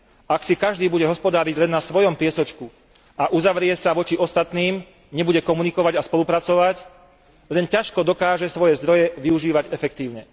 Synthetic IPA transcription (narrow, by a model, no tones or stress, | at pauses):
aksikaʒd̪iːbuɟɛɦɔspɔd̪aːɾiɟlɛnːasʋɔjɔmpɪɛsɔt͡ʃku | aʔuzaʋɾɪɛsaʋɔt͡ʃiɔst̪at̪niːm | ɲɛbuɟɛkɔmunikɔʋaɟaspɔlupɾat͡sɔʋac | lɛncaʃkɔd̪ɔkaːʒɛsʋɔjɛzd̪ɾɔjɛʋiuʒiːʋaɟɛfɛkt̪iːʊɲɛ